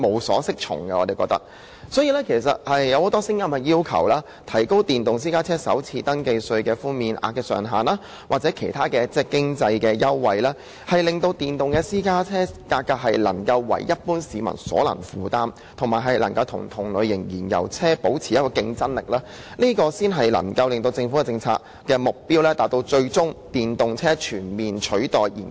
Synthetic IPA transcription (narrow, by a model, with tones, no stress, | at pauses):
mo˨˧wsɔ̰ː˨˥sɪ˥k̚t͡ʃʰʊ̰˨˩ŋkɛ˧ɔː˨˧t̪e˨jkɔ̰ː˧k̚t̪ɐ̰˥k̚ | sɔː˨˥jiː˨lɛː˥kʰe˨˩js̬ɐ̰˨t̚hɐ˨jːɐ˨˧who˨˥t̪ɔː˥sɪ˥ŋjɐ˥mkɛ˧jiː˥wkʰɐ̰˨˩wlaː˥ | t̪ʰɐ˨˩jko˥wt̪iː˨nt̪ʊ˨ŋs̬iː˥kaː˥t͡sʰɛː˥sɐ̰˨˥wt͡sʰiː˧t̪ɐ˥ŋke˧jsɵ˧ɥkɛː˧fuː˥nmiː˧nʔa̰ː˧k̚kːɛː˧sœ̰ː˨˩ŋɦaː˨˩naː˥ | waː˨k̚t͡sɛ˨˥kʰe˨˩jt̪ʰaː˥kɛː˧t͡sɛː˥kɪ˥ŋt͡sɐ˧jkɛː˧jɐ˥wːɐ˧jlaː˥ | hɐ˨jlɪ˨ŋt̪o˧wt̪iː˨˩nt̪ʊ˨ŋkɛː˧siː˥kaː˥t͡sʰɛː˥kaː˧kːaː˧k̚hɐ˨jlɐ̰˨˩ŋkɐ˧wːɐ̰˨˩jːɐ˥t̚puː˥nsiː˨˧mɐ̰˨˩nsɔ̰ː˨˥lɐ̰˨˩ŋfuː˨t̪aː˥m | t̪ʰʊ˨˩ŋmaː˨˩ɦɐ˨˩jlɐ˨˩ŋkɐ˧wt̪ʰʊ̰˨˩ŋt̪ʰʊ˨˩ŋlɵ˨˧ɥjɪ˨˩ŋjiː˨˩njɐ̰˨˩wt͡sʰɛː˥po˨˥wt͡sʰiː˨jɐ˥t̚kɔː˧kɪ˧ŋt͡sɐ˥nlɪ̰˨˩k̚laː˥ | niː˥kɔː˧siː˥nɦɐ˨jlɐ̰˨˩ŋkɐ˧wlɪ˨˧ŋt̪o˧wt͡sɪ˧ŋfu˨˥kɛ˧t͡sɪ˧ŋt͡sʰa̰ː˧k̚ | kːɛː˧mʊ˨k̚piː˥wlɛː˥t̪aː˨t̚t̪o˧wt͡ʃɵ˧ɥt͡sʊ˥ŋt̪iː˨nt̪ʊ˨ŋt͡sʰɛː˥t͡ʃʰyː˨˩nmiː˨nt͡ʃʰɵ˨˥ɥt̪ɔː˨jiː˨˩n